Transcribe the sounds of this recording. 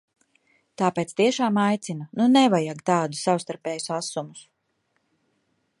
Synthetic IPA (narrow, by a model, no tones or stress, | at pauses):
t̪aːpeːt̪st̪iɛʃaːmajt̪sinununɛvajaɡt̪aːd̪usawst̪aɾpɛːjusasumus